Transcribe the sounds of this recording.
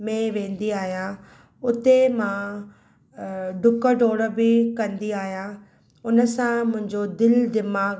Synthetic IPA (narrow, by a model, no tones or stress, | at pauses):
mẽʋẽːnd̪iaːɦijã | ʊt̪emã | ɖʊkə̆ɖʱoːɽə̆bɪkɐ̃nd̪iaːɦijã | ʊnəsãmʊ̃ɦɪ̃ɲd͡ʑod̪ɪld̪ɪmaːɡ